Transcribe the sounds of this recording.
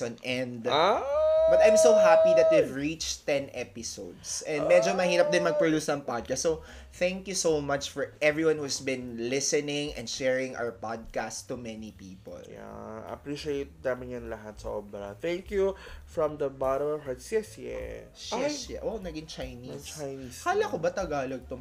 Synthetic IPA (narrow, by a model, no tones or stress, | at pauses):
ɐ̃nʔɛnd̪abɐt̪ãjmsoʊɦapid̪ɐt̪̚wivɹit͡ʃt̪ːɛ̃nʔɛpɪsod̪sʔɛ̃nd̪mɛd͡ʒomɐhiːɾɐp̚d̪ɪ̃nmɐɡ̚pɹod̪uːsnɐ̃ŋpad̪̚kast̪ːso | θæ̃ŋkjusowmɐt͡ʃfɔɹʔɛvɹiwãnhusbɪ̃nlɪsɛnɪ̃ŋɛ̰̃nd̪ʃɛɹɪ̃ŋʔa̰wə˞pad̪̚kastt̪ːʊmɛnipiːpo̰lja̰ɐ̰pɹiʃiejt̪̚namɪnjʊnlɐɦat̪sɐʔobɾɐ̰t̪ɛŋkjufɹɔ̃md̪ɐbaɾohat̪sjɛsjɛ̰sjɛʔownɐɡɪnt͡ʃajnist͡ʃajnikaːlɐkobɐt̪ɐɡaːloɡ̚t̪o